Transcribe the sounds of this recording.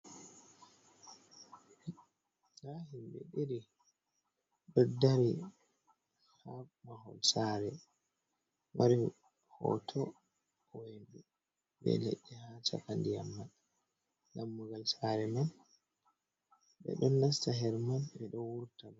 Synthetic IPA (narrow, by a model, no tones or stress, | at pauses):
lahimbɛ̰ɗiɾi | ɗɔdaɾi | hamahɔ̰lsaːɾɛ | wʔaɾi | hɔ̰tʰɔ | ɔwendu | bɛ̰lḛɗːɛhata̰kandijamːan | lamːuɡalsaɾɛman | bɛ̰ɗɔnːastaɦɛɾmanbɛɗɔwuɾtabɔ